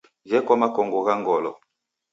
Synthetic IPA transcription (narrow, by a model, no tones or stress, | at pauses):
d͡ʒɛkwamakɔŋɡɔɣaŋɡɔlɔ